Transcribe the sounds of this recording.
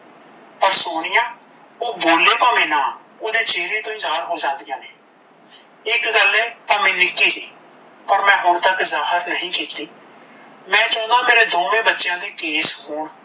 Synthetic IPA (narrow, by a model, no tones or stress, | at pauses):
pəɾsoːnɪjãː | oːboːleːpaʋẽːnãː | oːd̪eːt͡ʃeːɾiːt̪õːɪzaːɾɦoːd͡ʒãːnd̪ɪjãːneː | ɪkɡəleːp̪aːmẽːnɪkːiːsiː | pəɾmɛ̃ːɦoːɾt̪əkzaːɦəɾnəɦĩːkiːt̪iː | mɛ̃ːt͡ʃɔ̃ːd̪ãːmeːɾeːd̪õːʋẽːbətːʃjãːd̪eːkeːshoːɽ